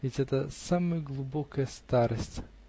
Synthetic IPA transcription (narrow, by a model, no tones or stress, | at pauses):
vʲɪtʲɛt̪əsamɨjəɡlˠubokəjəst̪aɾəsʲtʲ